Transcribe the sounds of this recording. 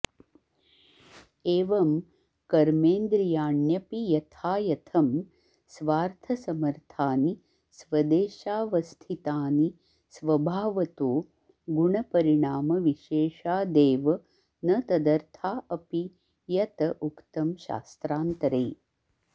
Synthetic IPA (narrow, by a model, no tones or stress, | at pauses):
eːʋɐm | kɐɾmeːnd̪ɾijaːɳjɐpijɐt̪ʰaːjɐt̪ʰɐm | sʋaːɾt̪ʰɐsɐmɐɾt̪ʰaːni | sʋɐd̪eːʃaːʋɐst̪ʰit̪aːni | sʋɐbʱaːʋɐt̪oː | ɡuɳɐpɐɾiɳaːmɐʋiʃeːʃaːd̪eːʋɐ | nɐt̪ɐd̪ɐɾt̪ʰaːʔɐpi | jɐt̪ɐʔukt̪ɐmʃa̰ːst̪ɾaːnt̪ɐɾej